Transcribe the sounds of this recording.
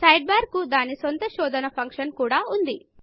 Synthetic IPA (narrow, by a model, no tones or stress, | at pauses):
sɐjɖ̚baːɾkːud̪aːnisont̪ɐʃɔːd̪ʱɐnɐpʰɐŋkʂɐnkuːɽaːund̪i